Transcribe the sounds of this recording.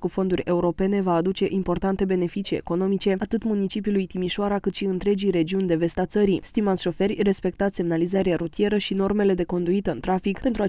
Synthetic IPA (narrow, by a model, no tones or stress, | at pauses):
kufo̞nd̪urʲe̞uɾo̞pe̞ne̞vaːd̪ut͡ʃe̞ʔimpo̞rt̪ant̪e̞be̞ne̞fit͡ʃie̞̰ko̞no̞mit͡ʃe̞at̪ɨt̪munit͡ʃip̬iulujt̪imiʃoaɾakɨt̪ʃiɨnt̪ɾe̞d͡ʒijɾe̞d͡ʒiunʲd̪e̞ve̞st̪at̪səɾist̪imanʃo̞fe̞rʲre̞spe̞k̚t̪at̪se̞mnalizaɾeaɾut̪ije̞ɾəʃino̞rme̞le̞d̪e̞ko̞nd̪uit̪əɨnt̪ɾafikpe̞nt̪ɾua